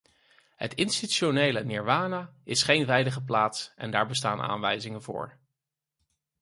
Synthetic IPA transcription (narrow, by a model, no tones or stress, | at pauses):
ɦə̰tɪnstionejlənɪɹʋaːnaːɪsχejnʋɛjdəχəplaːtsʔɛ̰ndaːɹbəsta̰ːnʔa̰ːnʋɛ̰jzɪŋənvʊ̰ːɹ